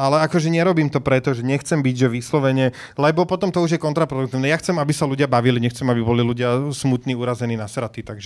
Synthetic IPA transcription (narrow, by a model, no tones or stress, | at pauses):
alɛakɔʒɛɲɛɾɔbiːmt̪ɔpɾɛt̪ɔʒɛɲɛxt͡sɛmbiɟʒɛʋislɔʋɛɲɛ | lɛbɔpɔt̪ɔmt̪ɔuʒjɛkɔnt̪ɾapɾɔd̪uk̚t̪iːʊnɛjaxt͡sɛmabisaluɟɪabaʋiliɲɛxt͡sɛmabibɔliluɟɪasmut̪niːuɾazɛniːnasɾat̪it̪aɡʒɛ